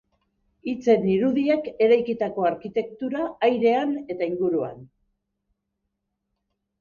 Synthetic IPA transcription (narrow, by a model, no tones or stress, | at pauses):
it͡se̞niɾuðiake̞ɾajkit̪ako̞aɾkit̪e̞k̚t̪uɾaːjɾe̞ane̞t̪aiŋɡuɾua̰n